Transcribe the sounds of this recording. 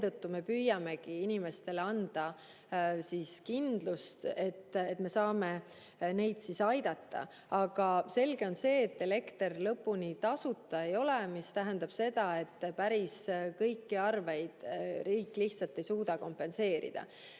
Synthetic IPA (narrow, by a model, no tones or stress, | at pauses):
et̪ɤt̪ːume̞pyːjːɑme̞kiinime̞st̪e̞leɑnd̪̥ɑ | siskind̪̥lust̪e̞t̪ːet̪ːme̞sɑːme̞ | ne̞jd̪̥sisɑjd̪ɑt̪ːɑ̰ | ɑɡ̥ɑse̞lɡe̞o̞nse̞ːet̪ːele̞kt̪erlɤpːunit̪ɑsut̪ˑːɑe̞jo̞lemist̪æɦænd̪̥ɑb̥se̞d̪̥ɑe̞t̪ːpæɾiskɤjkːiɑrve̞jd̪̥riːkːˑliht̪sɑlt̪ːˑe̞jsuːd̪̥ɑko̞mpːˑe̞nse̞ːɾḭd̪̥ɑ̰